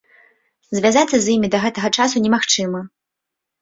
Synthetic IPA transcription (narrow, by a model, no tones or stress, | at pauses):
zʲvʲazat̪sːɐzʲjimʲid̪ɐɣɛt̪ɐɣɐt͡ʂasunʲɛmaxt͡ʂɨmɐ